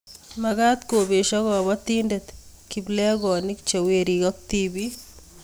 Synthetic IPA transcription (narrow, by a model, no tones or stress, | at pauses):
maɡat̪kobeʃɔɣɔbɔt̪indet̪ | kiblɛɡɔnikt͡ʃeweɾiɡɔk̚t̪ibi